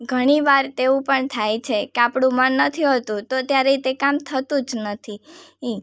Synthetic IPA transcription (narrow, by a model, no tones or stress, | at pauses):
ɡʱəɽ̃iʋaɾt̪eũpəɳt̪ʰajt͡ʃʰekeapɽũmanːət̪ʰiɦət̪ũt̪ot̪jaɾet̪ekamt̪ʰət̪ũd͡ʒnət̪ʰiɦĩ